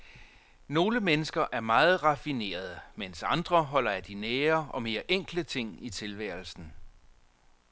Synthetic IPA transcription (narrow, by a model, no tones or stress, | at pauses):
no̝ːləmenəsɡ̥ɐʔæɐmɑ̈ːð̞̩ˠʁɑ̈fine̝̰ːɐð̞ˠəmensɑ̈nd̥ʁɐɦɒ̽l̰ɐæd̥inɛːɐʔɒ̽me̝ːɐʔeŋ̰ɡ̥lət͡sʰe̝ŋ̰it͡sʰe̝lʋæɐl̩sn̩